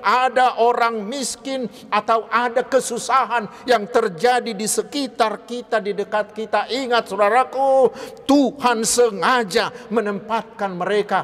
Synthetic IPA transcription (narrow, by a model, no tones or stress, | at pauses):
ʔadaʔoɾaŋmiskɪn | at̪awʔadakəsusaɦanjaŋt̪ərd͡ʒadidisəkit̪arkit̪adidəkat̪̚kit̪aʔiŋat̪̚sudaɾakut̪uhansəŋad͡ʒamənəmpat̪̚kanməɾeka